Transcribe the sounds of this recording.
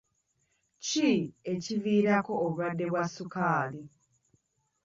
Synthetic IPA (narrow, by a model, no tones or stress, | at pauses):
cie̞civiːɾako̞ːβadːe̞βwasːukaːli